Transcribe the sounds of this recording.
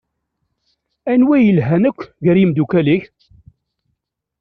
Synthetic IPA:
ænwæjəlɦænəkʷːʝəɾjimd̪ukæliç

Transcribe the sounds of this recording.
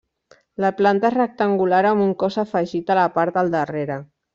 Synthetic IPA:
laplant̪aezrək̚t̪aŋɡulaɾomuŋkɔsafəʒit̪alapaɾt̪d̪əlˠd̪əreɾə

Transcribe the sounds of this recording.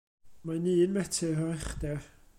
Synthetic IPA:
maniːnmɛtʰɪrɔɛχdɛr

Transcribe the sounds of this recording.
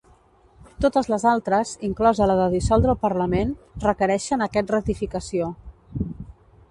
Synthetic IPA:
t̪ot̪əzləzalˠt̪ɾəziŋklɔzələðəðisɔlˠd̪ɾəlˠpəɾləmenrəkəɾɛʃənəkɛt̪̚rət̪ifikəsio

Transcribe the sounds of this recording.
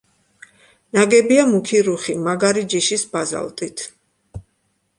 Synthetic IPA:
naɡɛbiamukʰiɾuχimaɡaɾid͡ʒiʃisbaza̰lˠt̪ʼit̪ʰ

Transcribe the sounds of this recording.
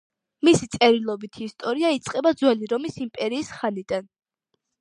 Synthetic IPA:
misit̪sʼɛɾilˠɔbit̪ʰist̪ʼɔɾiait̪sʼqʼɛbad̪zwɛliɾɔmisimpʼɛɾiːsχanid̪an

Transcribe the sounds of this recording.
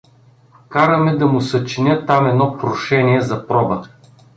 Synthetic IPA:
kaɾɐmɛd̪ɐmʊsɐt͡ʃinʲɤt̪amɛd̪nɔpɾoʃɛniɛzɐpɾɔbə

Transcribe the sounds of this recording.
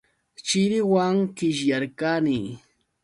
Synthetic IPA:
t͡ʃɪɾɪwaŋkɪʃ̬jaɾkaniː

